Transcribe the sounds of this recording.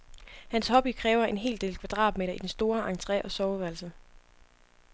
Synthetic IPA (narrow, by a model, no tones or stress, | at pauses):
hænshɒ̽b̥ikʰʁɛːʊɐe̝nɦe̝̰ːld̥e̝̰ːlkʰʋæd̥ʁɑ̰̈ːd̥̚me̝ːɾɐid̥ensd̥o̝ːɐʔɑ̈ŋt͡sʰʁɛ̰ʔɒ̽sɒʊʋælsə